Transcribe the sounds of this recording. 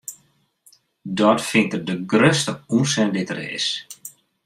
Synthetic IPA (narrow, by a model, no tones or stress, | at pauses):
dɔtfɪntərdəɡrøstəunsɛndɪtəɾɪ̰s